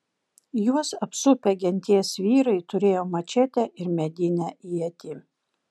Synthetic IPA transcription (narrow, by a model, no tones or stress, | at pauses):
juɔsɐpsʊpʲɛɡʲɛnʲt̪ʲiɛsʋʲiːɾɐɪt̪ʊɾʲeːjoːmɐt͡ʃʲɛt̪ʲɛʔɪɾmʲɛd̪ʲɪnʲæʔijɛt̪ʲɪ